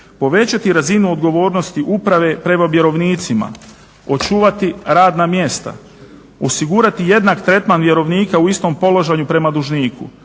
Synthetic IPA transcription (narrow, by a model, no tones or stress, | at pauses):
po̞ʋe̞t͡ɕat̪iɾazinuo̞d̪ɡo̞ʋo̞ːɾno̞st̪iʔupɾaʋe̞pɾe̞maʋje̞ɾo̞ʋniːt̪sima̰ | o̞t͡ʃuːʋat̪iɾaːd̪namje̞st̪a̰ | o̞siɡuɾat̪ije̞d̪nakt̪ɾe̞t̪manʋje̞ɾo̞ʋniːkauist̪o̞mpo̞loʒaɲupɾe̞mad̪uʒniːkʰṵ